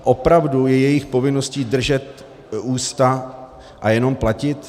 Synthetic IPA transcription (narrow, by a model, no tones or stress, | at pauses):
ʔopɾavdujɛjɛjɪxpo̞vɪno̞sciːdr̩ʒɛt̪ | uːst̪a | ʔajɛno̞mplacɪt̪